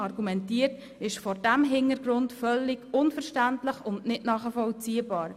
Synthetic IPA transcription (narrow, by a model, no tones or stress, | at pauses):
ɑɾɡumɛntiːəɾt | ɪʃfɔɾdæmɦɪnəɾɡɾʊntfœlːiɡʊnfəɾʃtæntləχʊndnɪtnɑːχəfɔlt͡siːəbɑːɾ